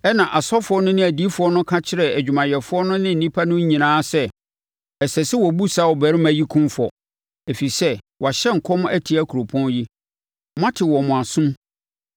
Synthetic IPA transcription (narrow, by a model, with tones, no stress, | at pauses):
ɛ˦nã˨ʔa˨sɔ˦fʊ˨˦ɔ˦nʊ̃˦nɪ̃˦æ˨di˦fʊ˨˦ɔ˦nʊ̃˦kʰa˦t͡ɕʰɪ˦ɾɛ˨æ˨d͡ʑᶣu˨mã˨jɛ˨fʊ˦ɔ˦nʊ̃˦nɪ̃˦n̩˨nĩ˦pʰa˦nʊ̃˦ɲ˦ɲĩ˨nãː˦sɛ˦ | ɛ˨sɛ˨sɪ˦wɔ˨bu˦sa˦wɔ˨bæ˨ɾɪ˦mæ̃˨ji˦kʰʊ̃˦mfɔ˨ | æ˨fi˨sɛ˦ | wɔ˨a˨ɕɛ˦ŋ̩˨kʰɔ˦mʊ̃˦æ˦tʰi˨æ˦kʰu˨ɾo˨pʰɔ̃˦n˦ji˦ | m˦ã˦tʰɪ˨wɔ˨mʊ̃˨a˨sʊ̃˦m